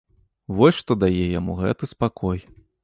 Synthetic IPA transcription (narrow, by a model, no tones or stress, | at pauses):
vɔsʲʂt̪ɔd̪ajɛjamuɣɛ̰t̪ɨspakɔj